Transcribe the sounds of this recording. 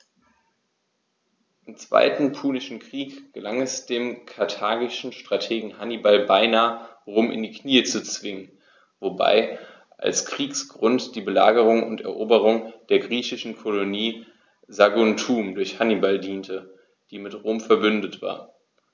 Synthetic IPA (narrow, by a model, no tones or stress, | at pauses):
ʔɪmt͡sv̥a̰ɪtn̩pʰuːnɪʃn̩kʁ̥iːkɡ̥əlaŋɛsd̥eːmkʰaɐtʰaːɡɪʃn̩ʃtʁ̥atʰeːɡŋ̩hanibalbaɪnaːəʁoːmɪ̰ndiːkʰniːət͡sut͡sv̥ɪŋən | voba̰ɪ | ʔa̰lskʁ̥iːksɡ̥ʁʊntd̥iːbəla̰ːɡəʁʊŋʊ̰ntɛ̰ɐʔoːbəʁ̞ʊŋd̥eːɐɡʁiːçɪʃn̩kʰoloniː | zaɡʊntʰuːmdʊɐçhanibaldiːntʰə | d̥iːmɪtʁoːmfɛɐbʏndətv̥a̰ːɐ